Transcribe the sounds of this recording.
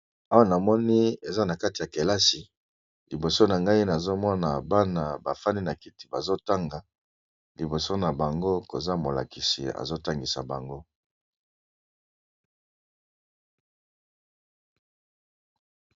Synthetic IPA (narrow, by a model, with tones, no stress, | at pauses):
a˦wa˦na˨mɔ˦ni˦e˨za˦na˨ka˦ti˨ja˨ke˨la˦si˨ | li˨bo˨so˦na˨ŋɡa˦i˦na˨zo˦mɔ˦na˨ba˦na˨ba˨fa˦ni˦na˨ki˦ti̥˨ba˨zo˦ta˦ŋɡa˨ | li˨bo˨so˦na˨ba˨ŋɡo˦ko˨za˦mo˨la̰˨ki˨sḭ˨a̰˨zo˦ta˦ŋɡi˨sa̰˨ba˨ŋɡo˦